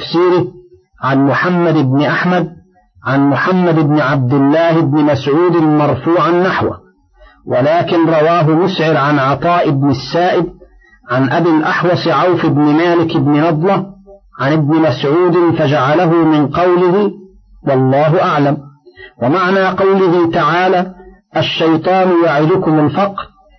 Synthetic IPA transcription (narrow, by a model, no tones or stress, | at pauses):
fsiːɾɪ | ʕanmʊħamːad̪ɪbnɪʔaħmad̪̚ | ʕanmʊħamːad̪ɪbnɪʕab̚d̪ɪlːaːhɪbnɪmasʕuːd̪ɪmɑɾˤfuːʕanːaħwa̰ | wʔalaːkɪnɾˤɑwaːɦʊmʊsʕɪɾʕanʕɑt̪ˤɑːʔɪbnɪsːaːʔɪd̪̚ | ʕanʔabiːlʔɑħwɑsˤʕawfɪbnɪmaːlɪkɪbnɪnɑd̪ˤlɑʕanɪb̚nɪmasʕuːd̪ɪnfad͡ʒaʕalaɦʊmɪnqɑwlɪhɪ | wɑlˤːɑːɦʊʔaʕlamwamaʕnaːqɑwlɪhɪt̪aʕaːlaːʔaʃːɑjt̪ˤɑːnjaʕɪd̪ʊkʊmalfɑqɾ